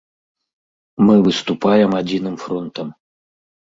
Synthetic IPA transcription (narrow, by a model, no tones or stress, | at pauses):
mɨvɨst̪upajɛmad͡zʲinɨmfɾɔnt̪ɐm